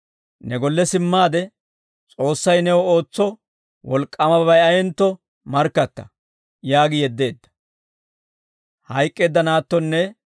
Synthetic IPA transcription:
nɛɡɔlːɛsɪmːaːd̪ɛ | t͡sʼo̞ːsːɐjnɛwɔo̞ːt͡sːɔ | wɔlkʼːɐmɐbɐjɐjɛnt̪ːɔ | mɐɾkːɐt̪ːɐ̰ | jaːɡɪjɛd̪ːe̞ːd̪ːɐ̥ | hɐjkʼːe̞ːd̪ːɐnaːt̪ːɔnːɛ

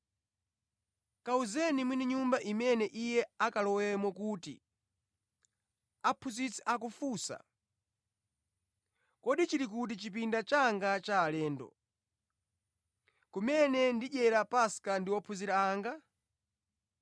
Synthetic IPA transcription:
kauzɛnimwiniɲumbaʔimɛnɛʔijɛakalɔwɛmɔkutḭ | apʰuzit͡sʰɛ̥ʔak̬ufusa̰ | kɔɗit͡ʃiɾik̬ut̬it͡ʃip̬indat͡ʃaŋɡat͡ʃaːlɛːndɔ̰ | kumɛnɛndiʄɛɾapaskandiwɔpʰuziɾaaːŋɡa

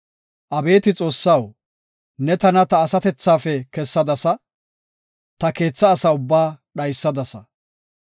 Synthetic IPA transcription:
ʔɐbe̞ːt̪ɪt͡sʼo̞ːsːɐw | nɛt̪ɐnɐt̪ɐːsɐt̪ɛt͡sːaːfɛkɛsːɐd̪ɐsɐ | t̪ɐke̞ːt͡sːɐːsɐʊbːaːɗɐjsːɐd̪ɐsɐ

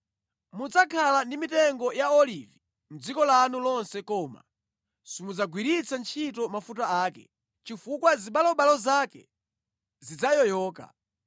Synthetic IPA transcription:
mud͡zakʰalandimitɛŋɡɔjaɔlivi | m̩d͡zikɔlanulɔnsɛkɔːma̰ | simud͡zaɡwiɾit͡sant͡ʃʰitɔmafut̬aaːkɛ̰ | t͡ʃifukwaziɓalɔɓalɔzakɛ̰ | zid͡zajɔjɔːka̰

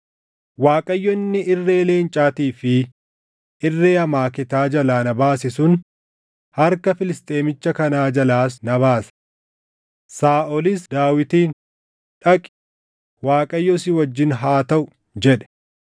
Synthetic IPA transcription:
waːkʼɐjːɔnːɪʔɪrːe̞ːleːnt͡ʃʼaːt̪iːfɪ | ɪrːeːɐmaːkɪt̪aːd͡ʒɐlaːnɐbaːsɪsʊn | hɐɾkɐfɪlɪst̪ʼe̞ːmɪt͡ʃːɐkɐnaːd͡ʒɐlaːs̬nɐβaːsɐ̥ | saːʔɔlɪsd̪aːwɪt̪iːn | ᶑɐkʼɪ̥ | waːkʼɐjːɔsɪwɐd͡ʒːɪnɦaːt̪ɐʔʊ | d͡ʒɛᶑɛ̥

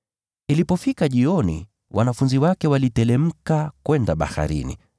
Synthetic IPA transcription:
ilipɔfikaʄiɔnḭ | wʔanafunziwakɛwalitɛlɛm̩kakwɛndaɓa̰ha̰ɾḭnḭ

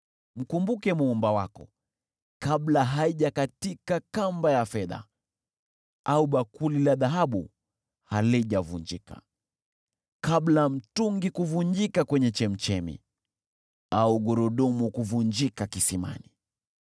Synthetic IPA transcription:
m̩kumbukɛmuːmbawakɔ̰ | kaɓlaɦaiʄakatikakambajafɛða̰ | auɓakulilaðaɦaɓṵ | haliʄavund͡ʒika̰ | kaɓlam̩tuŋɡikuvuɲd͡ʒikakwɛɲɛt͡ʃɛm̩t͡ʃɛmḭ | auɡɔɾɔɗɔmukuvuɲd͡ʒikakisima̰ni

